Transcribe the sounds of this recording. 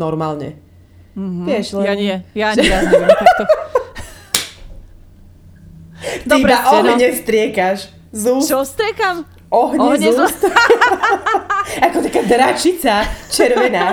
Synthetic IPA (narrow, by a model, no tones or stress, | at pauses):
ɔɾmaːlɲɛ̰ | ʋɪɛʃlɛjaɛja | t̪ | td̪iɾaʔɔɦɲɛst̪ɾɪɛkaʃ | zuɔst̪ɾɪɛkam | ʔɔɦɲɛzu | akɔt̪akaːd̪ɾat͡ʃit͡sat͡ʃɛɾʋɛna